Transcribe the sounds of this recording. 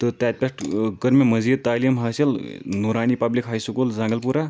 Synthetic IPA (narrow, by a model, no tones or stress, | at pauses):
t̪ət̪jat̪̚pʲaʂʈkəɾmaməd͡zid̪̚t̪alimɦaselnuɾañiːpablikɦajsukuld͡zãŋɡəlpuɾa